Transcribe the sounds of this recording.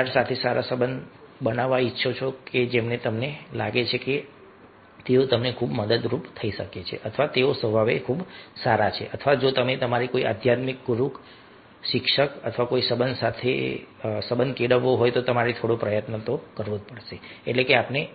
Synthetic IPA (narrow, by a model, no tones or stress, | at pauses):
aʈsat̪ʰesaɾasəbən | bənaʋːaitːʃʰot͡ʃʰoked͡ʒemnet̪əmnela̰ɡet͡ʃʰeke | t̪eot̪əmnekʰubməd̪əd̪ɾupt̪ʰəiʃəket͡ʃʰḛʔət̪ʰəʋat̪eosʋəbʱaʋekʰubsaɾat͡ʃʰḛʔət̪ʰəʋad͡ʒot̪əmet̪əmaɾikoiʔa̰d̪ʱjat̪mikɡuɾuk | ʃɪkʃəkət̪ʰəʋakoisəbənd̪sat̪ʰḛsəbənkeɽəʋːoɦojt̪ot̪əmaɾet̪ʰoɽopɾəjət̪nət̪okəɾʋopəɽʃeːʈlekeapne